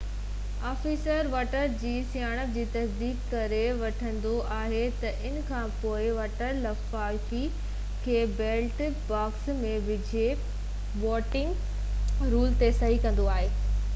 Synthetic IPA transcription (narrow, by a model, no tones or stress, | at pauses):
aːfiːsəɾʋaːʈəɾd͡ʑiːsiaːɽ̃əb̚d͡ʑiːt̪ɐsd̪iːkːɐɾeʋɐʈʰə̃nd̪oʔaːɦet̪ɐʔɪnkʰãːpoːɪʋaːʈəɾlɐfaːlfi | kʰeːbeːlʈ | baːksmẽʋɪd͡ʑʱe | ʋɔːʈɪ̃ŋɡ | ɾuːlt̪esɐɦikɐ̃nd̪oaːɦeː